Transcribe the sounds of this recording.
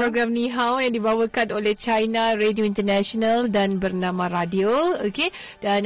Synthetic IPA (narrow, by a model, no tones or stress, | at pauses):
ɾoɡɾamnĩɦawjãŋdibawəkanolɛht͡ʃajnaredioint̪ərnaʃonaldanbərnãmãɾadiooke | dan